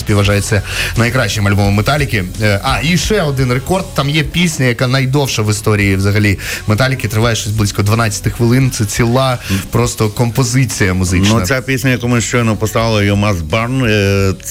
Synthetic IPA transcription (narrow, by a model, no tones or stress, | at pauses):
sʲpʲiwʋɐʒajet͡sʲːɐnɐjkɾaʃːɪmɐlʲbɔmɐmet̪alʲɪkʲɪʔɑiʃɛɔd̪ɪnrekɔrd̪̚t̪amjɛpʲisʲnʲɐjɐkanɐjd̪ɔwʃɐʋɪst̪ɔɾʲijiʋzɐɦɐlʲimet̪alʲɪkʲɪt̪ɾɪʋɑjɛʃt͡ʃosʲblˠɪsʲkɔd̪ʋɐnɑt͡ssʲɐ̥t̪ɪxʋɪlˠɪnt̪sɛt͡sʲilˠɑpɾɔst̪ɔkɔmpɔzɪt͡sʲijɐmʊzɪnt͡ʃnɐsʲapʲisʲnʲɐjɐkɔmʊʃt͡ʃɔjnɔpɔst̪aʋɪlˠɐjɔmɑzbarn